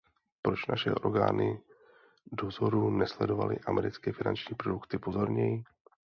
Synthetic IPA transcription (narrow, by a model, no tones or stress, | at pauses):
pɾo̞t͡ʃnaʃɛ̰ʔo̞ɾɡa̰ːnɪ | do̞zo̞ɾunɛslɛdo̞va̰lɪ̰ʔamɛɾɪt͡skɛːfɪna̰nt͡ʃɲiːpɾo̞dukt̪ɪpo̞zo̞ɾɲɛjɪ